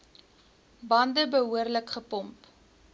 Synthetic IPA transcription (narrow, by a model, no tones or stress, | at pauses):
bɐndəbəɦuərləkχəpɔmp